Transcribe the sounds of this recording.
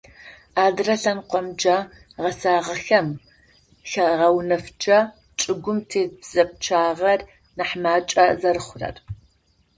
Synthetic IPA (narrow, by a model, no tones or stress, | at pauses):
aːdrɐɬɐnqʷɔmd͡ʒa | ʁɐsaːʁɐxɐm | xɐʁɐwnɐfd͡ʒɐ | t͡ʃʼɪɡʷʊmtʰeːbz̥ɐpʼt͡ʃʰaːʁɐr | naħmaːt͡ʃʼɐzɐrɨχʷʊrɐ̰r